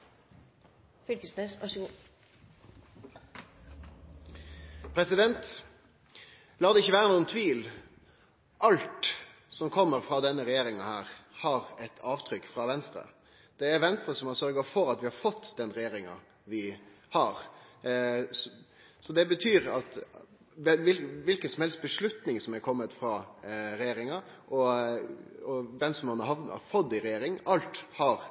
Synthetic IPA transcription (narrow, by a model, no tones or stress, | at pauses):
fʏlkəsnøsʋɑʂɡ | pʰɾɛsɪd̪ɛnt̪ | lɑːd̪ɛɪçːəʋæːʁənuːənt̪ʰʋiːl | ʔɑlt̪ | sɔmkʰɔmːəɾfɾɑːd̪ɛnːəɾɛjeːɾɪŋɑhæːʁhɑɾɛt̪ʰɑːʋt̪ʰɾʏkːfɾɑʋɛnst̪ɾə̰ | d̪̥ɛæɾʋɛnst̪ɾəsɔmɑɾsœɾɡɑfɔɾɑt̪ʋɪhɑɾfɔt̪ːd̪ɛnɾɛjeːɾɪŋɑ̰ | ʋɪ | hɑɾ | s | sɔd̪ɛbət̪ʰyːɾɑt̪ | ɛʋɪlʋɪlkənsɔmhɛlst̪̚bəʂlʉt̪nɪŋsɔmɛɾkʰɔmːət̪fɾɑːɾɛjeːɾɪŋɑ | ʔɔ | ɔʋɛmsɔmhɑnɑɾhɑnɑ̰fɔd̪ːɪɾɛjeːɾɪŋɑlt̪hɑɾ